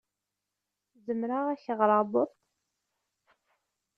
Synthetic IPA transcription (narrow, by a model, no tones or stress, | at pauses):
zəmɾaʁæçəʁɾˤɑðˤəðˤt̪